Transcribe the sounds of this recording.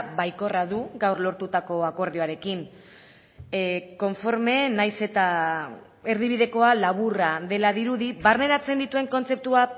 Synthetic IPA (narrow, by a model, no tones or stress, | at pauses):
bajko̞raðuɡawrlo̞ɾt̪ut̪ako̞ako̞ɾðioaɾe̞kin | ko̞ɱfo̞ɾme̞najse̞t̪a | eɾðiβiðe̞ko̞alaβ̞uraðe̞laðiɾuðiβarne̞ɾat͡se̞nd̪it̪ue̞ŋko̞nt͡se̞p̚t̪ua